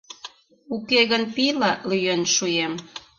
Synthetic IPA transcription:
ukeɣənpilɑlyjønʃujem

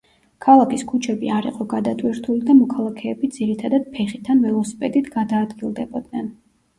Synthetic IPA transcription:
kʰalˠakʰiskʰut͡ʃʰɛbiaɾḭqʼɔɡad̪at̪ʼwiɾt̪ʰulid̪amɔkʰalˠakʰɛːbid̪z̥iɾit̪ʰad̪ad̪̥̚pʰɛχit̪ʰanvɛlˠɔsi̥pʼɛt̪ʼit̪ʰɡad̪aːd̪ɡilˠd̪ɛbɔd̪nɛn

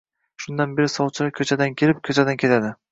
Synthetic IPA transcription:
ʃʊnd̪anbe̞ɾɪsɒwt͡ʃʰɪɾakʰʲɵt͡ʃʰad̪ankʲʰelɪp̚kʰʲɵt͡ʃʰad̪ankʲʰe̞t̪ʰad̪ɪ

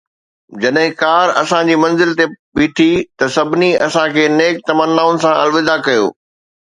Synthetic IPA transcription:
d͡ʑɐɗɦɪ̃kaːɾɐsãd͡ʑiːmɐ̃nzɪlt̪epiːʈʰit̪ɐsɐbʱniɐsãkʰeːneːk̚t̪ɐmənːaːʊnɪ̆sãʔɐlʋɪd̪akɐjo̰ː

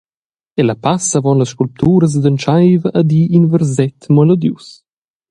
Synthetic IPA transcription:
elapasavɔnləsʃkulp̚t̪ʰuːɾəs̬d̪ənt͡ʃajvəʔːd̪iʔinvɛɾzɛt̪mɛlɔd̪jus

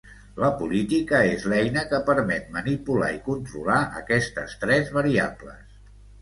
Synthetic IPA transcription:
ləpulit̪ikəezlɛjnəkəpəɾmɛt̪̚mənipula̰ikunt̪ɾulaʔəkɛst̪ə̰st̪ɾɛzβəɾia̰blə̰s

